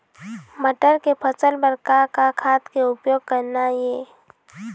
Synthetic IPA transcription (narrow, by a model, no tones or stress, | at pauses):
mɐʈəɾkepʰət͡ʃəlbəɾkakʰakʰaːt̪keʊpjoːɡ̚kəɾnajeː